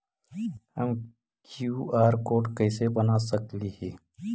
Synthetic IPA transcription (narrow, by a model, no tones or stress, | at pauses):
həm | kjuːaːɾkoːʈkəɪsebɐnasəkliheː